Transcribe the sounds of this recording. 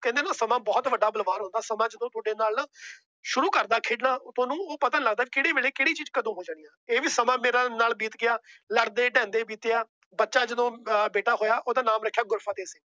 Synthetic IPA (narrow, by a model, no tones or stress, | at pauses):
kɛ̃nd̪eːnaːsəmãːbɔːt̪ʋəɖaːbəlʋaːɾɦʊ̃nd̪aːsəmãːd͡ʒəd̪õːt̪ʰʊɖeːnaːlaː | ʃʊɾuːkəɾd̪aːkʰeːɖnaːt̪ʰõːnũːoːpət̪ə̃nləɡd̪aːiːkɪɽeːʋeːɭeːkɪɽiːt͡ʃiːd͡ʒkəd̪õːɦoːd͡ʒãːnijãːeːʋiːsəmãːmeːɾãːnaːlbiːt̪ɡɪaːləɽd̪eːɖɛ̃ːnd̪eːbiːt̪eaː | bətːʃaːd͡ʒəd̪õːbeːʈaːɦoːjaːʔoːd̪aːnaːmɾəkʰːjaːɡʊɾfʰãːt̪eːsiː